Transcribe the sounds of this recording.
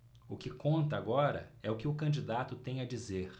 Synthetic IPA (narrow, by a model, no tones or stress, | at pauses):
ʊkɪkõnt̪ɐaɡɔɾɐ̰ɛʊkɪʊkɐ̃nd͡ʒid̪at̪ʊt̪ẽj̃ɐd͡ʒizeɾ